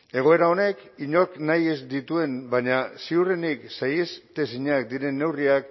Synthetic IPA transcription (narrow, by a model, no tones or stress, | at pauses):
e̞ɣ̞o̞e̞ɾao̞ne̞kiɲo̞knaje̞zd̪it̪ue̞nbaɲasiureniksajest̪e̞siɲak̚d̪iɾe̞nːe̞wriak